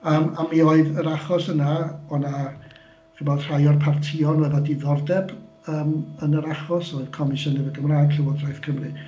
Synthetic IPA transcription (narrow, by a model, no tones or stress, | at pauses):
əːmamioːɨðəɾaχɔsənaɔna | χibɛr̥ajɔrpʰartʰiɔnwɛðadiðɔrdɛb | əːmənəɾaχɔsɔɨð̥kʰɔmɪʃɔnɛvɨɡəmraːɡ̥ɬʰɪwɔdrajθkʰəmrɨ